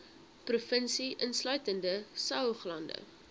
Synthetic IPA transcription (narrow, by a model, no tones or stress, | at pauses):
prufənsiʔənslœɥtəndəsœwχlɐndə̰